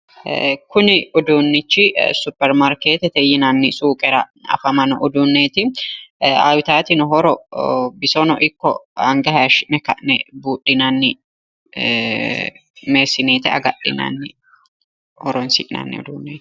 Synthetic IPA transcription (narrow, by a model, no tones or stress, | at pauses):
kʊnɪʊd̪uːnːɪt͡ʃːɪsʊpːɛɾmaɾkeːt̪ɛt̪ɛjɪnanːɪsʼuːkʼɛɾɐɐ̰fɐmɐnʊʔʊd̪unːeːt̪ɪ | a̰ːwɪt̪aːt̪ɪnɔɦɔɾɔbɪsɔnɔʔɪkːɔ̰hɐŋɡɐhaʃnɛkɐ̰ʔnɛbuːᶑɪnanːɪ | meːsːɪneːt̪ɛɐ̰ɡɐɗɪ̰na̰nːɪ | hɔɾɔnsɪʔna̰nːɪ̰ʊ̰d̪uːnːeː